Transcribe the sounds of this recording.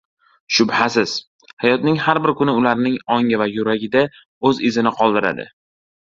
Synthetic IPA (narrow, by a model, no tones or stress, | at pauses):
ʃʊbhasɪz̥ | hajɒt̪nɪŋhaɾbɪɾkʊnɪʊlaɾnɪŋɒŋavajʊɾaɡʲɪd̪a | ɵzɪzɪnɪqʰɒlˠd̪ɪɾa̰d̪ɪ̰